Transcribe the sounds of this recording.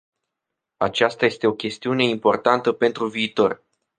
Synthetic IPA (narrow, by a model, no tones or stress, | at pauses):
at͡ʃast̪aje̞st̪e̞o̞kʲe̞st̪iune̞impo̞rt̪ant̪əpe̞nt̪ɾuviːt̪o̞r